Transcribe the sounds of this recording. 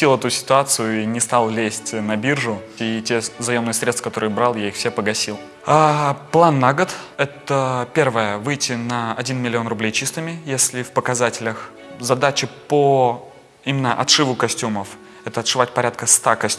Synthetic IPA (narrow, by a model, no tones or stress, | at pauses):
ilˠɛt̪ʊsʲɪ̥t̪ʊat̪sɨjʊinʲɪst̪alˠlʲesʲtʲnɐbʲirʐʊitʲezɐjomnɨəsɾʲet̪t̪fəkɐt̪o̞ɾɨjbɾɑlˠjaixfsʲepəɡɐsʲilˠ | aplˠanːaɡət̪ɛt̪əpʲe̞rvəjəvɨjtʲɪnəɐdʲinmʲɪlʲɪo̞nrʊblʲejt͡ɕist̪ɨmʲɪjesʲlʲɪfpəkɐzatʲɪlʲəx | zɐd̪at͡ɕɪpo | imʲɪnːəʔɐt̪ʂɨvʊkɐsʲtʲuməf | ɛt̪əɐt̪ʂɨvatʲpɐɾʲat̪̚kəst̪akɐsʲ